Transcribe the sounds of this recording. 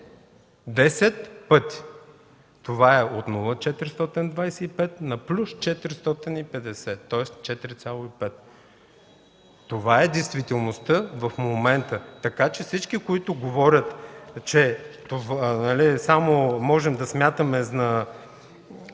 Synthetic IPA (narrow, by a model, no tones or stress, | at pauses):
d̪ɛsɛt̪pɤt̪i̥ | t̪ovaɛot̪nulˠət͡ʃɛt̪iɾst̪ɔt̪ind̪vajsɛipɛt̪nɐplʲust͡ʃɛt̪əɾst̪ɔt̪inipɛd̪ɛsɛt̪ːɔɛst͡ʃɛt̪iɾit̪sʲjalˠʊipɛt̪ | ovaɛd̪ɛjst̪vit̪ɛlˠnost̪ɤvɐfmomɛnt̪ət̪ɐkat͡ʃɛfsit͡ʃkikoit̪ʊɡovɔɾʲət̪t͡ʃɛt̪ovnɐlisamomɔʒɛmd̪ɐsmʲjat̪əmɛznɐ